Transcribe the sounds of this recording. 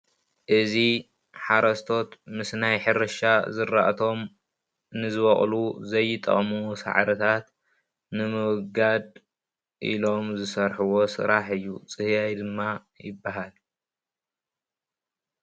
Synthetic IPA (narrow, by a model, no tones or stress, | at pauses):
ʔɨzi | ħaɾɐst̪ʰo̞t̪mɨsnajħɨɾɨʃazɨɾːa̰ʔt̪ʰo̞m | nɨzɨβɐχʼluzɐjːɨt̪ʼɐ̰χʼmusa̰ʕɾɐt̪ʰat̪ | nɨmɨwɡad̪ | ʔḭlo̞mzɨsɐɾħuwo̞sɨ̰ɾaħɨjːut͡sʼɨhjajd̪ɨmːa | jɪbːaɦal